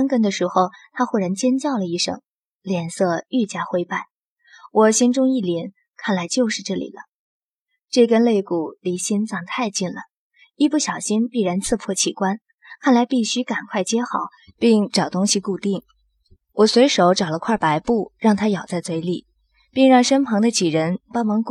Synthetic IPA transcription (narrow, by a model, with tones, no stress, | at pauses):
a˥nkə˥nd̪ə˨˧ʂɻ̩˧˥xo˥˧ʊt̪ʰa˥xwɔ˥˩ɻa˧˥nt͡ɕjɛ˥nt͡ɕjɑ˥˩ʊlə˩i˥˩ʂɤ̰˨˩˦ŋ | ljɛ˨˩nsɤ˥˧y˥˩t͡ɕja˥xwe˥ɪpa˥˩ɪ | wʔɔ˨˩ɕi˥nʈ͡ʂʊ˥ŋi˥˩lɛ˧˥n | kʰa˥˩nla˧˥ɪt͡ɕjo˥˧ʊʂɻ̩˥˧ʈ͡ʂɤ˥˩lḭ˨˩lə˦ | ʈ͡ʂe˥˩kə˥nle˥˧ɪku˨˩li˧˥ɕi˥nt͡sɑ˥˩ŋt̪ʰa˥˧ɪt͡ɕi˥˩nlə̰˩ | i˥˧p̬u˥˩ɕjɑ˨˩ʊɕi˥npi˥˩ɻa˧˥nt͡sʰɹ̩˥˧pʰwɔ˥˩t͡ɕʰi˥˩kwa˥n | kʰa˥˩nla˧˥ɪpi˥˩ɕy˥ka˨˩nkʰwa˥˩ɪt͡ɕjɛ˥xɑ˨˩˦ | pi˥˩ŋʈ͡ʂɑ˨˩ʊt̪ʊ˥ŋɕi˧ku˥˧t̪i˥˩ŋ | wɔ˨˩swe˧˥ɪʂo˧˥ʊʈ͡ʂɑ˨˩ʊlə˦kʰwa˥˩pa˧˥ɪpu˥˩ɻɑ˥˩ŋt̪ʰa˥jɑ˨˩ʊt͡sa˥˩ɪt͡swe˥ɪli˥˩˦ | pi˥˧ŋɻɑ˥˧ŋʂə˥npʰɑ˧˥ŋd̪ə˧t͡ɕi˨˩ɻə˧˥npɑ˥nwɑ˧˥ŋk